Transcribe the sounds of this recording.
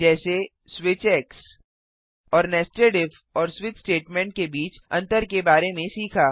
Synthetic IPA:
d͡ʒɛːse | swɪt͡ʃɛːks | ɔːɾnɛːsʈeːɖɪf | ɔːɾswɪt͡ʃsʈeːʈmɛ̃ːɳʈ̚kebiːt͡ʃɐ̰̃nt̪əɾkebaːɾemẽsiːkʰaː

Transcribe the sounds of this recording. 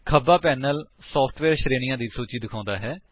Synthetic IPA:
kʰəbaːpɛːnəlsɔːpʰʈʰʋɛːɾʃɾeːɽ̃ɪjãːd̪iːsoːt͡ʃiːd̪ɪkʰãːnd̪aːɦɛː

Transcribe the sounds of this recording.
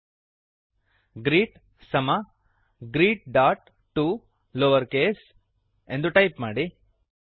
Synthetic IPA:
ɡɾiːʈ | sɐma | ɡɾiːʈ̚ɖaːʈ | ʈːu | loːʋɐɾkeːs | end̪uʈɐjpmaːɽi

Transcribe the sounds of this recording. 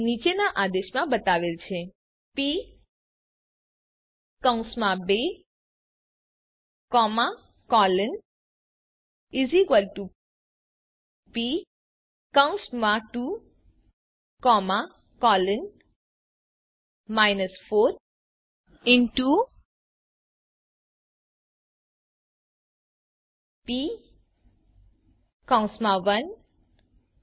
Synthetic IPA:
nit͡ʃenaʔad̪eʃmãbət̪aʋelt͡ʃʰe | pi | kəw̃smãbe | kɔmã | kɔlən | izikəlʈu | pi | kəãw̃nsmãʈu | kɔːma | kɔːlən | majnəsfoːt̪ | ɪ̃nʈu | pi | kãw̃smaʋɐn

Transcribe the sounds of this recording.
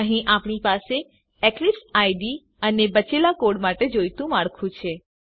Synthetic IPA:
əɦĩʔapɳ̃ipase | ɛklipsajɖi | ənebət͡ʃelakoɽmaʈed͡ʒojt̪ũmaɽkʰũt͡ʃʰe

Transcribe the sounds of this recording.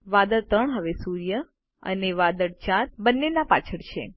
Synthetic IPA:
ʋad̪əɾt̪əɳɦəʋesuɾijə | ə̰neʋad̪əɽt͡ʃaɾbənːenapat͡ʃʰəɽt͡ʃʰḛ

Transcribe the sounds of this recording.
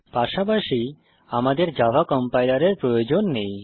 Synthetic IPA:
paʃapaʃi | amad̪eɾd͡ʑabʱakɔmpajlaɾeɾpɾojod͡ʑonːej

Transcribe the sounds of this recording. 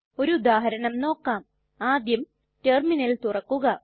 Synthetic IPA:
o̞ɾuud̪aːɦɐɾɐɳɐmno̞ːkːaːm | aːd̪jɐm | terminɐlt̪urɐkːuɣɐ

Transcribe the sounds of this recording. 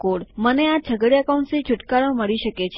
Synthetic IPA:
koɽmənead͡ʒʱəɡɽiəkauɳʈsit͡ʃʰuʈkaɾə̃məɭiʃəket͡ʃʰ

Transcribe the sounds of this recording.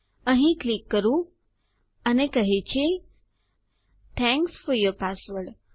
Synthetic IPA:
ə̃ɦĩklikːəɾũ | ənekəɦet͡ɕe | t̪ʰɛ̃ŋksfɔɾjɔɾpasʋəɖ

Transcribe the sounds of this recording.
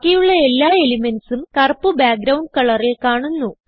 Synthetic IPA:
kʲːijuɭːɐe̞lːaːelimensumkɐrpːubaːk̚ɡɾɐwɳɖkɐɭɐrilkaːɳunːu

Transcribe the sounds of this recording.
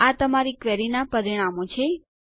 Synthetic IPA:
at̪əmaɾikʋɛɾinapəɾiɽ̃amõt͡ʃʰe

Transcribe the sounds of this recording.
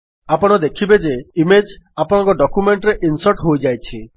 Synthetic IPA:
apɔɽ̃ɔd̪ekʰibed͡ʒeimed͡ʒapɔɽ̃ɔ̃ŋkɔɖɔkumeɳʈɾeʔinsɔɾʈɦojd͡ʒajt͡ʃʰi

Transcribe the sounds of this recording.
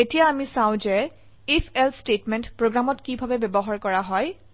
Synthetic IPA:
etijaːmisãʊ̃zɛ | ipʰɛlstetmɛntpɹoɡɹamɔtkibʱabɛbɛbɔɦaɹkɔɹaɦɔj

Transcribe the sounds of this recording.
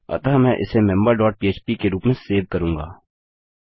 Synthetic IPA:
ɐ̰t̪aːmɛ̃ʔɪ̰semɛ̃mbəɾɖɔːʈ̚piːeːt͡ʃpikeɾuːpmẽseːʋkəɾũːŋɡa̰ː

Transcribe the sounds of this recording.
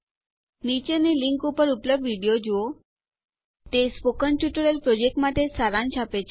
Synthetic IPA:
nit͡ɕeneliŋkupəɾupləb̚d̪ʋiɽijod͡ʑiʋo | t̪espokənʈjuʈəɭelpɾod͡ʑek̚ʈmad̪ʱesaɾãnɕapet͡ɕ

